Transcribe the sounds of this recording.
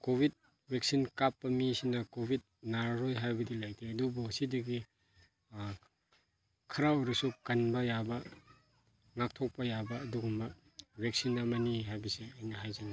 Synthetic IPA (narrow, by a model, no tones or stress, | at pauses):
kobʱit̚ | beksinkapːɐmisinɐkobʱit̚naɾɾojɦajbɐdilajdeɐdubɔsidɐɡi | kʰɐɾaɔɾɐsukɐnbɐjabɐ | ŋak̚tʰok̚pɐjabɐːduɡumbɐ | bʱek̚sinamaniɦajbisiɐjnɐɦajzana